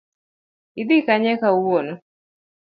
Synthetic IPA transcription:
id̪ikaɲɛkawono

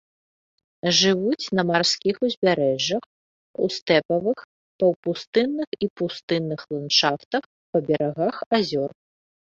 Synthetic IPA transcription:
ʐɨvut͡sʲnɐmarskʲixuzʲbʲaɾɛʐːɐx | ṵst̪ɛpɐvɨx | pɐwpust̪ɨnːɨxipust̪ɨnːɨxlˠant͡ʂaft̪ɐx | pɐbʲɛɾaɣaxazʲɔr

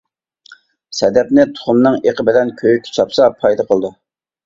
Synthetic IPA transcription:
sɛd̪ɛp̚nɪt̪ʰʊ̥χʊmnɨŋeqʰəbɪlɛnkʲʰøjykʲʰːt͡ʃʰɑpsɑpʰɑjd̪ɑqʰəlˠd̪u

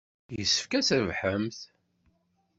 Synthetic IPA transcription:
jəsːə̥fkæsævħəmθ

